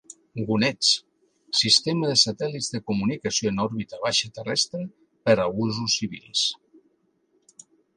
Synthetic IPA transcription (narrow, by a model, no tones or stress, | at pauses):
ɡunɛt͡s | sist̪eməðəsat̪ɛlizðekumunikasjoenɔɾβit̪əβaʃət̪ərɛst̪ɾe | pəɾaβuzusːiβ̞ḭlˠs